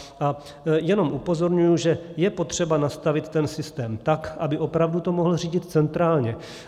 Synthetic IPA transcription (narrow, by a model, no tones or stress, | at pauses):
ʔa | jɛno̞mʔupo̞zo̞ɾɲujuʒɛjɛpo̞t̪r̝̥ɛbanast̪avɪt̪ːɛnsɪst̪ɛːmt̪akʔabɪʔo̞pɾavdut̪o̞moɦl̩r̝iːɟɪt̪t͡sɛnt̪ɾaːlɲɛ